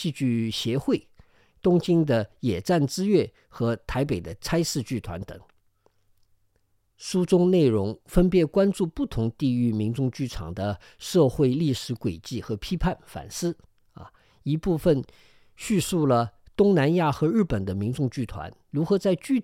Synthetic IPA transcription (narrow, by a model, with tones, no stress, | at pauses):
i˥˧t͡ɕy˥˩ɕjɛ˧˥xwe˥˩ɪ | t̪ʊ˥ŋt͡ɕi˥ŋd̪ə˨jɛ˨˩ʈ͡ʂa˥˩nʈ͡ʂɹ̩˥ɥɛ˥˩ | xɤ˧˥t̪ʰa˧˥ɪpe˨˩ɪd̪ə˦t͡sʰa˥ɪʂɹ̩˥˧t͡ɕy˥˩t̪ʰwa˧˥nt̪ɤ̰˨˩˦ŋ | ʂu˥ʈ͡ʂʊ˥ŋne˥˩ɪɻʊ˧˥ŋfə˥npjɛ˧˥kwa˥nʈ͡ʂu˥˧pu˥˩t̪ʰʊ˧˥ŋt̪i˥˧y˥˩mi˧˥nʈ͡ʂʊ˥˧ŋt͡ɕy˥˩ʈ͡ʂʰɑ̰˨˩ŋd̪ə˦ | ʂɤ˥˧xwe˥˧ɪli˥˩ʂɻ̩˧˥kwe˨˩ɪt͡ɕi˥˩xɤ˧˥pʰi˥pʰa˥˩nfa̰˨˩nsɹ̩̰˥˧ | i˧˥pu˥˩fə˨˩n | ɕy˥˧su˥˩lə˩t̪ʊ˥ŋna˧˥nja˥˩xɤ˧˥ɻ̩˥˩pə˨˩nd̪ə˦mi˧˥ŋʈ͡ʂʊ˥˧ŋt͡ɕy˥˩t̪ʰwa̰˧˥nɻu˧˥xɤ˧˥t͡sa˥˧ɪt͡ɕy˥˧